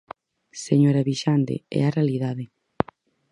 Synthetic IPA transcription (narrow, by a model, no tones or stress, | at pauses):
seɲoɾaβiʃand̪ḛɛ̰arealiðaðɪ